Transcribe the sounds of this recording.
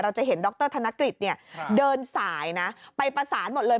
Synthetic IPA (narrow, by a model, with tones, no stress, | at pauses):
ɾa˧wt͡ɕa˨˩ɦe˩˦ndɔ˧˦˥k̚t̪ɤː˥˩t̪ʰa˧nːa˦˥kɾi˨˩t̪̚ni˥˩ɐdɤː˧nsaː˩˦jna˦˥pa˧jpɾa˧saː˩˦nmo˨˩t̪̚lɤː˧